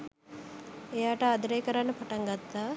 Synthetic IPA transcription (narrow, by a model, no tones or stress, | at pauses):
ejaːʈəad̪əɾejkəɾanːəpaʈaŋɡat̪ːaː